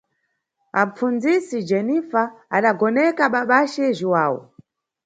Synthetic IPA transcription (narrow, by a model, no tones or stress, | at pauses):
a̰p͡fund͡zisid͡ʒɛnifaːɗaɡɔnɛkaɓaɓaʃɛʒiwaːwɔ̰